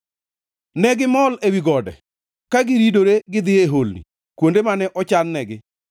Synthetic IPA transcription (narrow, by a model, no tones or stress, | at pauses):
nɛɡɪmɔlewiɡɔdɛ̰ | kaɡɪɾidoɾeɡɪd̪ɪeɦolnḭ | kwondemanɛʔɔt͡ʃanːɛɡɪ